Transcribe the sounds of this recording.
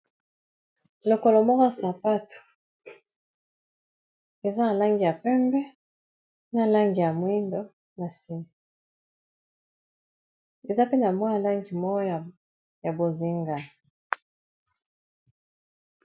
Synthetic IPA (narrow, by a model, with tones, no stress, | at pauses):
lo˨ko˨lo˨mɔ˦kɔ˦˨sa˨pa˦tu̥˨ | e˨za˦na˨la˦ŋɡi˨ja˨pɛ˦mbɛ˦ | na˨la˦ŋɡi˨ja˨mwi˦ndo˦ | na˨si˦mi˨ | e˨za˦pe˦na˨mwa˦ja˨la˦ŋɡi˨mɔ˦jɔ˦˨ | ja˨bo˨zi˦ŋɡa˨